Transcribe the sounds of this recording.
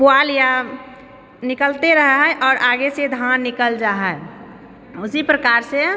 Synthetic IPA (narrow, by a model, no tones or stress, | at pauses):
pualja | nɪkəlt̪eɾəɦɦɛʔɔːɾʔaːɡesed̪ʱanːɪkəld͡ʒaɦɛ | ʊsipɾəkaːɾse